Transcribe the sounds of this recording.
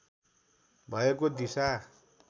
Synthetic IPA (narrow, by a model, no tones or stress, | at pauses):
bʱʌekod̪isa